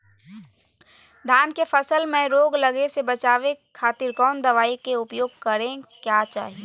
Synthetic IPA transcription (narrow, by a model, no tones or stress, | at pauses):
d̪ʱaːnkefəsəlmẽɾoːɡləɡesebət͡ʃaːʋekʰːaːt̪ɪɾkɔːnd̪ɐʋaːikeʊpjoːɡ̚kəɾẽkjaːt͡ʃa̰ːɦie